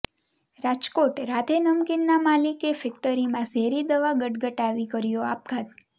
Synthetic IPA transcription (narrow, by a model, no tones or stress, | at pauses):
ɾad͡ʒkoʈɾat̪ʰenəmkinːamalikefɛk̚ʈəɾimãseɾid̪əʋaɡəʈɡəʈaʋikəɾjoap̚ɡʰad̪